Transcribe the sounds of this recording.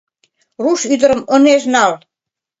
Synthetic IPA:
ruʃyd̪ə̆ɾə̆mə̆neʒnɑl

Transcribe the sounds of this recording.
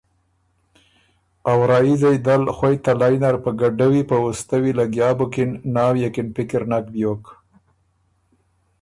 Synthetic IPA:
awɾɑjizajd̪alxwajt̪alɑjnaɾpəɡaɖawipəwust̪awilaɡjɑbokɪnnɑwjekɪnpɪkɪɾnak̚bjok

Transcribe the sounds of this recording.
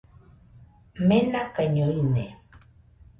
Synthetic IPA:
mɛnakəɲonɛ̰

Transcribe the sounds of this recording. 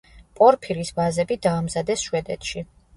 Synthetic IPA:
pʼɔɾpʰiɾisvazɛbid̪aːmzad̪ɛsʃwɛd̪ɛt̪ʰʃi

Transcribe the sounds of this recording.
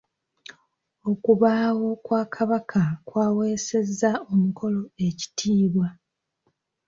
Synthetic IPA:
o̞kuβaːwo̞kwaːkʰaβakʰakwaːwe̞ːse̞zːao̞mukʰo̞lo̞e̞ci̥tʰiːβwa

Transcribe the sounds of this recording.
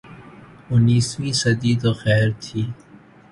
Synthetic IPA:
ʊnːiːsʋiːsəd̪iːt̪oːxɛːɾt̪ʰiː

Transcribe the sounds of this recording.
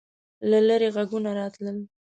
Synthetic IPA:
laləɾeɣaɡunaɾɑt̪ləl

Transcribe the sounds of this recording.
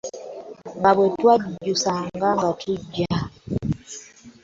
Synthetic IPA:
ŋɡabwɛtwad͡ʒusaŋɡaŋɡatʰud͡ʒa

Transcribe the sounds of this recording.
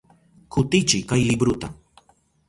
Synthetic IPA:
kʰʊt̪ɪt͡ʃɪkajlɪbɾʊt̪a̰

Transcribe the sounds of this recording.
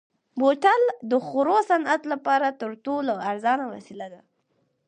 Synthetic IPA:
boʈald̪əxʊɾosanat̪lapɑɾat̪əɾʈolaaɾzɑnawa̰silad̪a

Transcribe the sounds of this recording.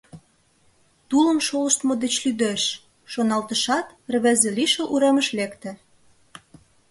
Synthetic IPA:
t̪uləmʃoləʃt̪mod̪et͡ɕlyd̪eʃː | onɑlt̪əʃɑt̪ | rə̆βæzĕliʃə̆lʔuɾeməʃlekt̪ɘ̆

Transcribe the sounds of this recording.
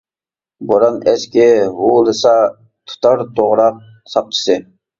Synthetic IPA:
boɾɑnɛskʲɪɦulˠɨsɑ | t̪ʰʊ̥t̪ʰɑɾt̪ʰoʁɾɑq̚ | sɑq̚t͡ʃʰi̥sɨ

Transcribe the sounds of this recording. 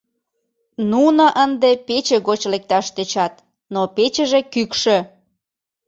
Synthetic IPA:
nunɑʔənd̪epet͡ɕeɣot͡ɕlek̚t̪ɑʃt̪et͡ɕɑt̪̚ | nopet͡ɕə̆ʒekykʃĕ

